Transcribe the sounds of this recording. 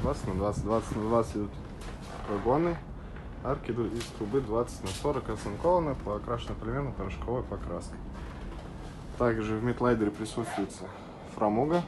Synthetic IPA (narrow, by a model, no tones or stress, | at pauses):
d̪vat̪sə̥tʲnɐd̪vat̪sətʲd̪vat̪sə̥tʲnɐd̪vat̪stɪd̪ut̪ | vɐɡonɨ | arkʲɪd̪ut̪ist̪ɾʊbɨd̪vat̪sə̥tʲnɐsoɾəkɐsɨnkovənəpɐkɾaʂɨnəplʲɪmʲenəpəmʲɪʂkovopɐkɾasnɨ | t̪aɡʐɨvmʲɪt̪lˠajd̪ɪɾʲɪpɾʲɪsuɕʊjɪt̪sə | fɾɐmuɡə